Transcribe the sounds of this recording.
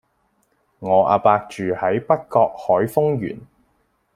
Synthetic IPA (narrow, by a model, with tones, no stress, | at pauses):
ŋɔː˨˧ʔa̰ː˧paː˧k̚t͡ʃyː˨hɐ˨˥jpɐ˥t̚kɔː˧k̚hɔː˨˥jfʊ˥ŋjy̰ː˨˩n